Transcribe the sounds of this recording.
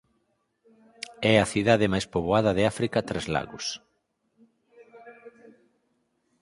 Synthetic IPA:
ɛɐθiðaðɪmajspoβoaðɐðɪafɾikɐt̪ɾɛzla̰ɣʊs

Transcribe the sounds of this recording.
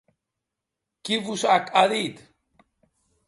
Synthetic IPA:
kiβusakaðit̪

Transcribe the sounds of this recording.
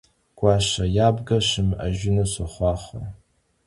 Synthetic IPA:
ɡ̥ʷaʂajabɡaʃɨma̰ʒʊnaʃʷaχʷaχʷa̰r

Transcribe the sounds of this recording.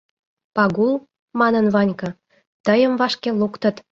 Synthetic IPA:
pɑɣulˠ | mɑnənvɑnʲkɤ̆ | t̪əjəmvɑʃkelukt̪ə̆t̪

